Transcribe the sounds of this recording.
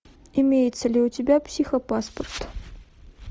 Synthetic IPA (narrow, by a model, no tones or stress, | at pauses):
imʲejɪt̪səlʲɪʊtʲɪbʲapsʲixopaspərt̪